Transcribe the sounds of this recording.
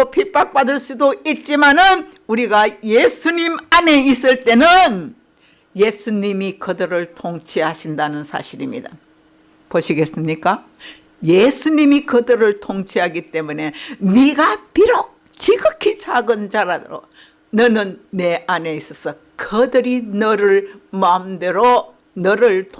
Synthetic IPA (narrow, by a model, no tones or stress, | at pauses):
opʰip͈ak̚p͈adɯɭs͈udoit̚t͡ɕ͈imanɯn | uɾiɡaje̞sʰuɲimane̞is͈ɯɭt͈e̞nɯn | je̞sʰuɲimikɯdɯɾɯɭtʰoŋt͡ɕʰiɦaɕʰindanɯnsʰa̰ɕʰiɾimɲḭda̰ | poɕʰiɡe̞s͈ɯmɲik͈a | je̞sʰuɲimikɯdɯɾɯɭtʰoŋt͡ɕʰiɦaɡit͈e̞mune̞niɡapiɾok̚ | t͡ɕiɡɯkʰit͡ɕaɡɯnd͡ʑaɾado̰ɾo̰ | nʌnɯnːe̞ʔane̞is͈ʌsʰʌ | kɯdɯɾinʌɾɯɭmamdɯɾo | nʌɾɯɭtʰ